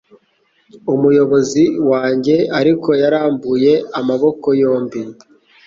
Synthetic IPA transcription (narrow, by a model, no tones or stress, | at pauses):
umujo̞βo̞ziwaːɲɟe̞aɾiko̞jaɾaːmbuje̞amaβo̞ko̞jo̞ːmbi